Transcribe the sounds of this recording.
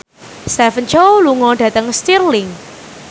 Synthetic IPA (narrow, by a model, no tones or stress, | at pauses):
st̪ɛfənt͡ʃoluŋɔɖ̥ä̤t̪əŋst̪irlɪŋ